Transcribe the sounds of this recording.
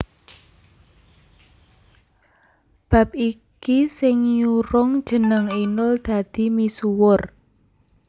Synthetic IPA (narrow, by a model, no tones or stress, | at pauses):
b̥a̤p̚ikisɪŋɲuɾʊŋd̥ʒ̥ə̤nəŋinʊld̪̥a̤d̪̥i̤misuwʊr